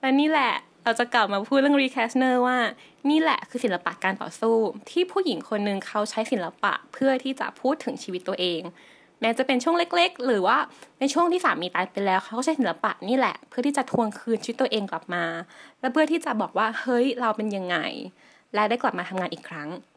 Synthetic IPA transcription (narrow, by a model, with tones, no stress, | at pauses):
lɛː˦˥niː˥˩lɛ˨˩ | ɾa˧wt͡ɕa˨˩kla˨˩p̚maː˧pʰuː˥˩t̪̚ɾɯ˥˩ə˨ŋɾiː˦˥kʰɛː˦˥snɤː˥˩waː˥˩ | niː˥˩lɛ̰˨˩kʰɯː˧si˩˦la˧pa˨˩kaː˧nt̪ɔ̰ː˨˩suː˥˩t̪ʰiː˥˩pʰuː˥˩k̚ji˩˦ŋkʰo˧nːɯ˧ŋkʰa˦˥wt͡ɕʰa˦˥jsi˩˦nla˧pa̰˨˩ʔpʰɯ˥˩ɐt̪ʰiː˥˩t͡ɕa̰˨˩ʔpʰuː˥˩t̪ʰːɯ˩˦ŋt͡ɕʰiː˧wi˦˥t̪ːu˧ɐʔeː˧ŋ | mɛː˦˥t͡ɕa˨˩pe˧nt͡ɕʰu˥˩əŋle˦˥k̚le˦˥k̚ɾɯː˩˦waː˥˩na˧jt͡ɕʰu˥˩əŋt̪ʰiː˥˩saː˩˦mːiː˧t̪aː˧jpa˧lɛː˦˥wkʰa˦wkaː˥˩t͡ɕʰa˦˥si˩˦la˧pa˨˩ʔniː˥˩lɛ̰˨˩ʔpʰɯ˥˩t̪ʰiː˥˩t͡ɕa˨˩t̪ʰu˧əŋkʰɯː˧nt͡ɕʰi˧˦˥t̪ːu˧əʔeː˧ŋkla˨˩p̚maː˧lɛ˦˥wpʰɯ˥˩ət̪ʰiː˥˩t͡ɕa˨˩bɔː˨˩k̚waː˥˩hɤ˦˥jɾa˧wpe˧nja˧ŋːa̰˧j | lɛː˦˥da˥˩jkla˨˩p̚maː˧t̪ʰa˧ŋaː˧nʔiː˨˩kʰɾa˦˥ŋ